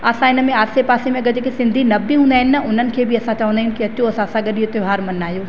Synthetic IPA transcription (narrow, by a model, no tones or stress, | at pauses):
ɐːsãɪnə̆mẽaːsepaːsimẽɡɐd͡ʑkesɪ̃nd̪ʱinɐbːiɦũːnd̪aːɦɪ̃nɪ̆nɐʊn̤ənɪ̆kʰeːbɪɐsãt͡ɕɐʋə̃nd̪aɦɪnɪ̆kiɐt͡ɕoɐsãɐsãɠɐɗiot̪joɦaːɾmɐnaːɦijoː